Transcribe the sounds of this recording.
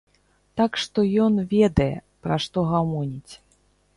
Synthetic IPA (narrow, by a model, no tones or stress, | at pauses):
t̪akʂt̪ɔjɔnvʲɛd̪ɐjɛ̰ | pɾaʂt̪ɔɣamɔnʲit͡sʲ